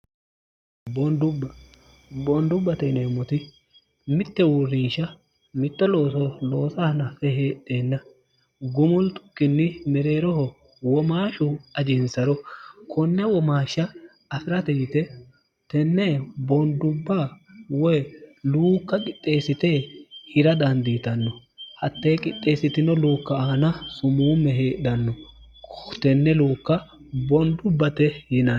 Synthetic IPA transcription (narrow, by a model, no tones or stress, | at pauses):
bɔnd̪ʊbːɐ | bɔnd̪ʊbːɐt̪ɛneːmːɔt̪ɪ | mɪt̪ːɛwʊrːɪnʃɐ | mɪt̪ʼːɔloːsɔlo̞ːsɐhnɐfɛɦeːtʼːe̞ːnːɐ | ɡʊmʊlt̪ʼʊ̥kːɪnːɪmɛɾe̞ːɾɔhɔ | wɔmaːʃʊɐd͡ʒɪnsɐɾɔkʰɔnːɛwɔmaːʃːɐː | fɪɾɐt̪ɛjɪt̪ɛ | t̪ɛnːɛbɔnd̪ʊbːawɔjluːkːɐkʼɪt̪ʼːe̞ːsɪt̪ehɪɾɐd̪ɐnd̪iːt̪ɐnːɔ | hɐt̪ːejkʼɪt̪ʼːe̞ːsɪt̪ɪnɔluːkːɐaːnɐsʊmuːmːɛɦe̞ːɗɐnːɔ | t̪ɛnːɛluːkːɐ | bɔnd̪ʊbːɐt̪ɛjɪna